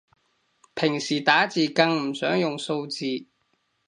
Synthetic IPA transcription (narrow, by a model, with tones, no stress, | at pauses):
pʰɪ˨˩ŋsiː˨˩t̪aː˨˥t͡siː˨kɐ˧ŋm̩˨˩sœː˨˥ŋjʊ˨ŋso˧wt͡siː˧